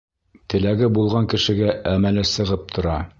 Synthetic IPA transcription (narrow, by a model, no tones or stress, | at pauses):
t̪ʰɘ̆læɡɘbulˠʁɑŋkɘ̆ʃɘ̆ɡæʔæmælæsɤ̆ʁɤp̚t̪ʰŏɾɑ